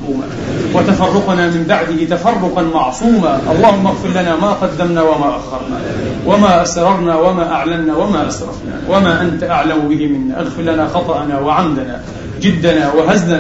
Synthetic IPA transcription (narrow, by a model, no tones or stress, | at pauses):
uːma̰ | wɪt̪afɑrˤːʊqnamɪmbaʕd̪ɪhɪt̪afɑrˤːʊqɑnmɑʕsˤuːmaʔɑlˤːɑːhʊmːʔaɣfɪɾlanamaqɑd̪ːamnawamaʔaɣɑɾˤna̰ | wamaːʔasɾˤɑɾˤnawamaːʔaʕlamnawamaːʔasɾˤɑ̰fna̰wamaːʔant̪aʔaʕlambɪɦɪmɪnːa̰ʔaɣfɪllanaxɑt̪ˤɑʔanawɪʕamd̪ana̰ | d͡ʒɪd̪ːanawɪɦazna